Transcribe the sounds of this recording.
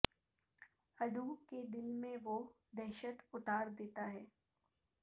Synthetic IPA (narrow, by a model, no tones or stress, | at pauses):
hɐd̪uked̪ɪlmẽʋo | d̪ɛɦʃət̪ʊt̪aːɾd̪eːt̪aɦɛː